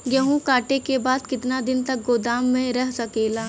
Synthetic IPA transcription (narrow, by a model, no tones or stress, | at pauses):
jɐɦũkaːʈekebaːd̪kɪt̪nad̪ɪnt̪ɐk̚ɡoːd̪aːmːẽɾɐɦsɐkeːlaː